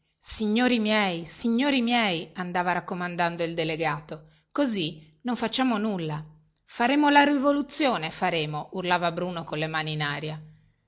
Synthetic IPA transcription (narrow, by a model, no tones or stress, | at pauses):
siɲːoːɾimjɛjsiɲːoːɾimjɛjand̪aːvaɾakːomand̪and̪oild̪eleɡaːt̪o | kozinoɱfat͡ʃːaːmonulːa | faɾeːmolaɾivolut̪sːjoːnefaɾeːmourlaːvabɾuːnokonlemaːninaːɾja